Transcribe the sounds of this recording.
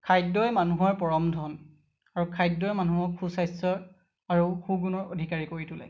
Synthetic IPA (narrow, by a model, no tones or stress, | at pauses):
kʰajdɔjmanuɦɔɹpɔɹɔmdʱɔn | aɹukʰajdːɔjmanuɦɔkʰːusajsɔɹ | aɹuxuɡunɔɹo̰dʱikaɹikoɹitulɛ̰j